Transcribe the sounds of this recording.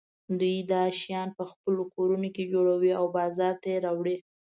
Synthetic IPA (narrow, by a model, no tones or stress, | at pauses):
d̪ujd̪ɑʃijɑnpəxpəlokoɾunoked͡ʒoɽawiawbɑzɑɾt̪ajeɾɑwɽi